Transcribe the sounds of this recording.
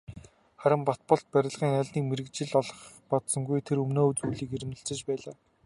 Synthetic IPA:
χæɾʲɪ̆mpɔt̪̚pɞ̆ɬt̪̚pæɾʲɪ̆ɮʁiːŋaɮniːkmeɾɘ̆kt͡ɕɪ̆ɮɔɮɞ̆χ | pɔt̪sɞ̆ŋɡujt̪ʰeɾɵmnoːɵt̪uːɮiːkeɾɘ̆mɘ̆ɬt͡sɘ̆t͡ɕpæːɮaː

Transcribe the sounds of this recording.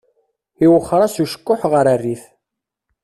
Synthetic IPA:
iwəχːɾˤɑsuʃə̥kːʊħʁəɾarːiθ

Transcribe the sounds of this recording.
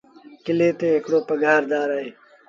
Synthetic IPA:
kɪleːt̪eːekɽoːpəɡʱaːɾd̪aːɾaːeː

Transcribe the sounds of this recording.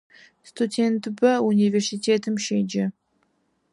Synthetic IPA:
st̪ʰudʲent̪bɐunʲivʲersitʰeːt̪ʰɨmʃed͡ʒɪ

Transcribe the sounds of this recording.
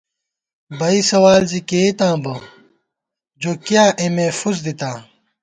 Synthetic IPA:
bɐisɐwaːlzikeːt̪ãːbɐ | d͡ʑoːkjãːʔemẽːfuzd̪it̪ãː

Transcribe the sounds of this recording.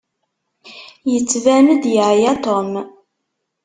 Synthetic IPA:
jət͡sːvæməd̪jəʕjæt̪om

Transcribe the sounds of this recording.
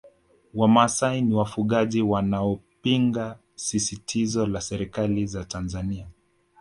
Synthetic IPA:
wamasainiwafuɠaʄiwanaɔpiŋɡa | sisitʰizɔlasɛɾikalizatanzania

